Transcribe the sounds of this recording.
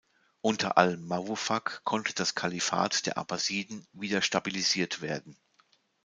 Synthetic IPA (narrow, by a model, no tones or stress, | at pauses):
ʔʊntʰɐ̰ʔa̰ləmːavufakkʰːɔntʰəd̥askʰalifa̰ːtd̥eːɐʔa̰baziːdn̩viːdɐʃtabiliziːɐtv̥eːɐdn̩